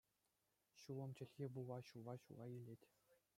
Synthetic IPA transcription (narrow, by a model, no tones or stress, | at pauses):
ɕuʋɤ̆mt͡ɕɘ̆lʲxʲebuʋˠɑɕuʋɑɕulɑilʲetʲ